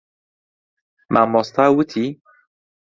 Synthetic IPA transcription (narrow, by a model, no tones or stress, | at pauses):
mʔamːɔst̪ʰawut̪ʰi